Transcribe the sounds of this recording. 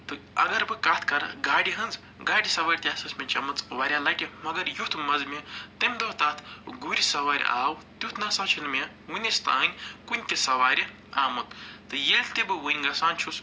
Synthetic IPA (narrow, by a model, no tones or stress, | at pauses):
t̪ɨɐ̰ɡɐɾbɨkaːt̪ʰkɐɾ̰ɡaːɽiɦɐnd͡z | ɡaːɽisɐʋaːɾʲt̪ʲaːsɐsmʲɐnʲt͡ʃɐmɐt͡sʋaːɾʲalɐːʈʲimɐɡɐɾjut̪ʰmɐzmʲet̪ɐmʲd̪oːt̪aːt̪ʰɡuɾʲisɐʋaːɾ̰ʲa̰ːwt̪jut̪ʰnɐsaːt͡ʃʰinmʲe | wunʲest̪ã̰ːnʲkunʲt̪isɐʋaːɾʲi | aːmɐt̪t̪ːɨjelʲt̪ebɨwɨnʲɡɐsaːnʲt͡ʃʰus